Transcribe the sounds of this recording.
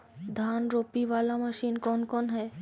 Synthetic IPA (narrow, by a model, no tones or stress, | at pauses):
d̪ʱanɾopiβalamaʃinkɔnkɔnɦɛ